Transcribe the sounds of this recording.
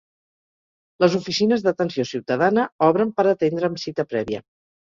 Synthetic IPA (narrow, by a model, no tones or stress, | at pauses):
ləzufisinəzðət̪ənsiosiwt̪əðanəɔβɾəmpəɾət̪end̪ɾəːmsit̪əpɾɛβiə̰